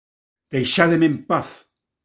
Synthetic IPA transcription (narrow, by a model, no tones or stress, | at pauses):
d̪̥ejʃaðemempaθ